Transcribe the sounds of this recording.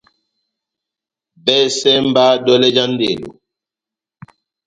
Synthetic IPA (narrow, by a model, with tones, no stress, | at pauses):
bɛ˦sɛ˦mba˦dɔ˦lɛ˦d͡ʒa˦n˦dḛ˨lo̰˨